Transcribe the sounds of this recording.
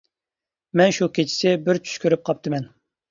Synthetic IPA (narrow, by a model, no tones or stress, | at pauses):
mɛnʃukʲʰet͡ʃʰi̥sɪbɪɾt͡ʃʰy̥ʃkʲyɾyp̚qʰɑp̚t̪ʰɨmɛn